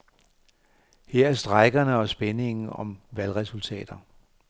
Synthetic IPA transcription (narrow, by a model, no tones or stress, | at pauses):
heɐ̰æɐsd̥ʁɑ̈ɪɡ̥ɐnəɒ̽sb̥ene̝ŋn̩ɒ̽mʋælʁɛsult͡sʰɛ̰ːd̥ɐ